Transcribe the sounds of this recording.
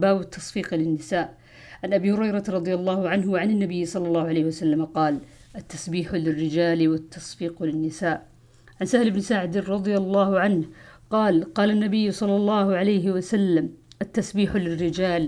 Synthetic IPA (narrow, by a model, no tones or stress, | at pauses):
baːwɪt̪ʰːɑsˤfiːqlɪnːɪsaːʔ | ʕanʔabiːhʊɾɑjɾˤɑɾˤɑd̪ˤɪjɑlˤːɑːhʊʕanɦwʕanɪnːabɪjːsˤɑlːɑlːɑːhʊʕalejhɪwasalːamaqɑːl | ʔat̪ːasbiːħlɪrːɪd͡ʒaːlwat̪ːɑsˤfiːqlɪnːɪsaːʔ | ʕansahlɪbnsaʕd̪ɾˤɑd̪ˤjalˤːɑːhʊʕanhqɑːlqɑːlanːabɪjːsˤɑlːɑlˤːɑːhʊʕalajɦɪwasalːamʔat̪ːasbiːħlɪrːɪd͡ʒaːl